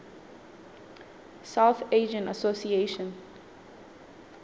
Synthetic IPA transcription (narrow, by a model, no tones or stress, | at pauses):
saʊθeːd͡ʒə̃ntasosieʃə̃n